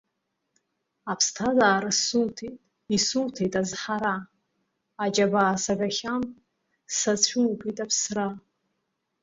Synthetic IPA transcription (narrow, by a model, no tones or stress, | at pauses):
apʰstʰazaːɾɨsultʰejtʼ | isultʰejtʼazħaɾa | ad͡ʒʼabaːsaɡaχʲan | sat͡ɕʷʰulpʼitʼapʰsra